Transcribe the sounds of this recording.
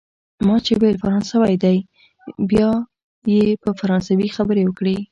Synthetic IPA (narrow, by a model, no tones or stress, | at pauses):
mɑt͡ʃewelfaɾɑnsəwajd̪aj | bjɑ | jepəfaɾɑnsawixabəɾewəkɽe